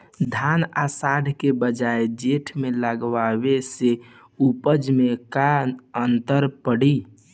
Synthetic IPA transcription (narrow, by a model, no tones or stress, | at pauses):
d̪ʱanasaɖ̪ʱkebəd͡ʒaed͡ʒeʈʰmeləɡʋawese | upəd͡ʒmekanənt̪əɾpəɽi